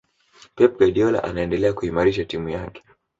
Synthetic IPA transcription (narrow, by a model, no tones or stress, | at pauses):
pɛp̚ɡaɗiɔla̰ʔa̰naɛndɛlɛakuhimaɾiʃatimujakɛ̥